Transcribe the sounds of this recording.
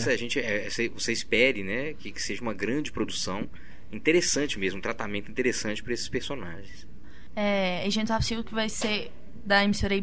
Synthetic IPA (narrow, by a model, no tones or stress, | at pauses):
sɐʒẽt͡ʃɪɛsevoseispɛɾɪnɛkɪkɪ̥seʒɐũmɐɡɾɐ̃d͡ʒɪpɾod̪usɐ̃w̃ | ĩnt̪eɾesɐ̃t͡ʃɪmezmũt̪ɾat̪amẽnt̪ʊĩt̪eɾesɐ̃t͡ʃɪ̥pɾɐesɪ̥speɾsonaʒẽj̃s | ɛeʒẽnt̪afsiwkɪvajse | d̪ɐemisoɾej